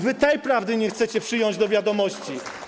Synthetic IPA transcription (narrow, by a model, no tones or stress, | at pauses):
vɘt̪ɛjpɾavd̪ɘɲɛxt̪sɛt͡ɕɛpʂɘjɔɲd͡ʑd̪ɔvʲjad̪ɔmɔɕt͡ɕi